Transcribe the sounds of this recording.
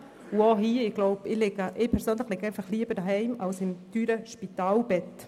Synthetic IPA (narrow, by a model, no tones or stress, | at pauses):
uoɦiːəɪɡloʊbɪlɪɡəʔɪpʰɛɾsøːnləχlɪɡɛɪnfɑχliːəbəɾdɑɦɛɪmalsɪmtyːɾəʃpitaːlbɛt